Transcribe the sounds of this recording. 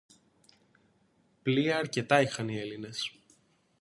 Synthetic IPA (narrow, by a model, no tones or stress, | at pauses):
pliɐːɾce̞t̪ɐixɐnie̞line̞s